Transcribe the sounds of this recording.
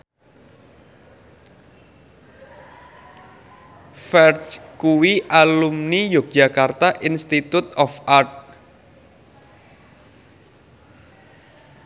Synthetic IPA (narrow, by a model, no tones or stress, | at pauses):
fɛrskuwiʔalumnijok̚dd͡ʒa̤kart̪aʔinst̪it̪ut̪ɔfart̪̚